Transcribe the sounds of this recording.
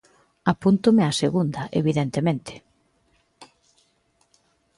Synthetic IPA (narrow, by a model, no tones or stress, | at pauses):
apunt̪ʊmɪaseɣund̪ɐʔeβiðent̪emẽnt̪ɪ̥